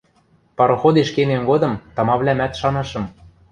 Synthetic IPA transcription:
pɑɾŏxod̪eʃkememɡod̪ɤ̆mt̪ɑ̆mɑβlʲæmæt̪ʃɑnɤ̆ʃɤ̆m

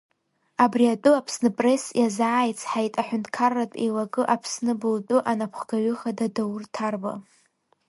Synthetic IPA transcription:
abriatʼuapʰsnɨpʼre̞sjazaːjt͡sʰħajtʼaħʷᶣʊntʼʰkʰarːatʼḛjlaɡʼɨʔapʰsnɨbɨltʼʊʔanapʰχɡaɥʏχadadawrtʰarba̰

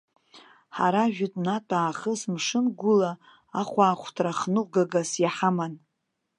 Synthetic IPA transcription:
ħa̰ɾaʒᶣʊtʼnatʼaːχəsmʂɨnɡʷʊla | aχʷaːχʷʰtʰraχnɨɡaɡasjaħaman

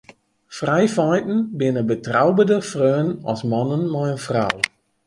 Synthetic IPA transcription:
frajfɔjtn̩bɪnəbətrawbədəfrøːnɔ̰smanənmɔjənfraw

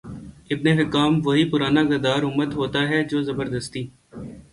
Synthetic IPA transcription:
ɪbneɦɪkaːmʋɐɦipʊɾaːnaɡɪɾd̪aːɾʊmːət̪ɦoːt̪aɦɛd͡ʒoːzɐbəɾd̪əst̪iː

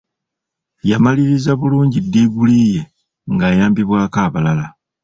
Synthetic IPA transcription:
jamaliɾizaβuluːɲɟidːiːɡuliːje̞ | ŋɡajaːmbiβwaːkaːβalala

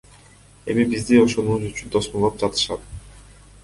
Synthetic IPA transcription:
e̞̰mibizd̪io̞ʃo̞nuwuzyt͡ʃynd̪o̞smolˠop̚d͡ʒɑt̪ɯ̥ʃɑt̪

